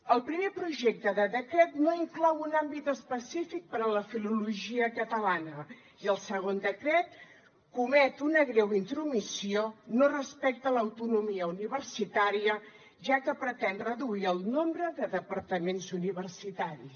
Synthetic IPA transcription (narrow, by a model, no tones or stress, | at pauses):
əlˠpɾimepɾuʒɛk̚t̪əðəðəkɾɛt̪noiŋklɔwunambit̪əspəsifik̚pəɾələfiluluʒiəkət̪əlanə | iəlˠsəɣ̞ond̪əkɾɛt̪̚ | kumɛt̪unəɣɾɛwint̪ɾumisionorəspɛk̚t̪ələwt̪unumiəuniβ̞ərsit̪aɾiə | ʒakəpɾət̪ɛnrəðuiəlˠnombɾəðəðəpəɾt̪əmenzuniβ̞ərsit̪aɾi